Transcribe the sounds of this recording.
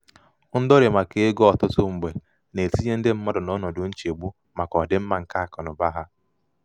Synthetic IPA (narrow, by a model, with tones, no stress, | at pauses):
n̩˦dɔ˦ɾe˨ma˨ke˨e˦ɡo˦ɔ˨tʊ˦tʊ˦ŋ͡m̩˨ɡ͡be˨ | ne˨ti˦ɲe˦n̩˦dɪ˦m̩˦mɔ˦dɔ˨nɔ˦nɔ˨dʊ˨n̩˦t͡ʃe˨ɡ͡bu˦ | ma˨kɔ˨dɪ˦m̩˦ma˨ŋ̩˨ka˦˨kɔ˨nʊ˨ba˦ɦa˦